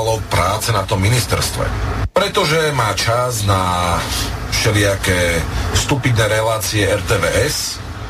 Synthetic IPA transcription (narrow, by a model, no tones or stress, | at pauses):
lɔpɾaːt͡sɛnat̪ɔmːinist̪ɛ̰ɾst̪ʋɛ̰pɾɛt̪ɔʒɛmaːt͡ʃazna | fʃɛlɪakɛst̪upid̪nɛːɾɛlaːt͡siɛɛɾt̪ɛːʋɛːɛs